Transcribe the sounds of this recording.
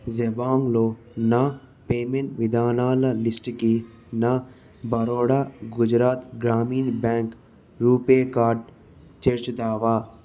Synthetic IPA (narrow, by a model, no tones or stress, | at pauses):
zebaːŋɡloː | na | peːmeɳʈʋid̪aːnaːlɐlisʈki | na | bɐɾoːɽaːɡʊd͡ʒɾaːt̪ɡɾaːmiːnbɛːŋk | ɾuːpekaːɾɖ̚ | t͡ʃeɾt͡ʃut̪aːʋaː